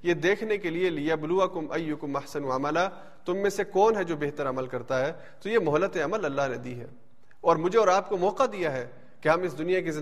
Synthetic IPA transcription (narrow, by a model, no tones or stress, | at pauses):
jed̪eːkʰnekelieliabluɐkʊmɐjːʊkʊmɐħsɐnuaməla | t̪ʊmːẽsekɔːnɦɛd͡ʒoːbeɦt̪əɾɐməlkɐɾt̪aɦɛː | t̪ojemɔɦlət̪eɐməlɐlːaɦned̪iːɦɛ̰ː | ɔːɾmʊd͡ʒʱeɔːɾaːp̚komɔːqad̪ijaɦɛː | keɦɐmɪs̬d̪ʊnijakizɪ̃